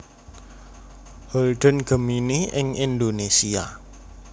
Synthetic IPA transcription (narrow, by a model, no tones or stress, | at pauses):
hɔlɖə̤nɡ̥ə̤miniɪŋʔind̪onesia̰